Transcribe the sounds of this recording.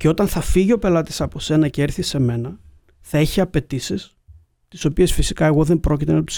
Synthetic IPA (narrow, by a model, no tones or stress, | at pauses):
ceo̞t̪ɐnθɐfiʝio̞pe̞lɐt̪i̥sɐpo̞se̞nɐceeɾθise̞me̞nɐ | θɐiçiɐpe̞t̪isis | t̪iso̞pie̞sfisikɐe̞ɣo̞ðe̞mbɾo̞cit̪e̞nɐt̪u̥s